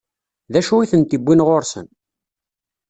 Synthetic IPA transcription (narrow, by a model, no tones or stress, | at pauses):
ðæʃuiθənt̪ibːinʁoɾsə̰n